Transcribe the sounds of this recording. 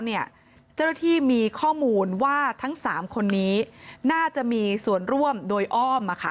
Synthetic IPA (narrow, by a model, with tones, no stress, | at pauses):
ni˥˩ə | t͡ɕa˥˩wna˥˩t̪ʰiː˥˩miː˧kʰɔː˥˩muː˧nwaː˥˩t̪ʰa˦˥ŋsaː˩˦mkʰo˧nːiː˦˥naː˥˩t͡ɕa˨˩ʔmiː˧su˨˩ənɾu˥˩əmdoː˧jʔɔː˥˩mʔa˨˧˩kʰa̰˥˩